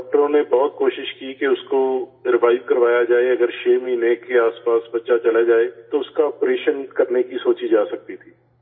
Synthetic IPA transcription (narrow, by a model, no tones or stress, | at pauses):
ɔʈəɾõnebɔːt̪̚koːʃɪʃkikeʊskoɾɪʋaːɪʋkəɾʋaːjad͡ʒaːeɐɡəɾʃeːmiːnekeaːspaːsbɐtːʃat͡ʃɐlad͡ʒaːet̪oʊskaɔːpɾeːʃənkɐɾnekisoːt͡ʃid͡ʒaːsɐk̚t̪it̪ʰiː